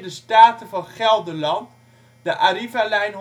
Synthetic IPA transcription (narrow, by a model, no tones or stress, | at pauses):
dəstaːtəvɔnχɛlˠdəlɑnt | d̥əʔaɾivalɛjnɦ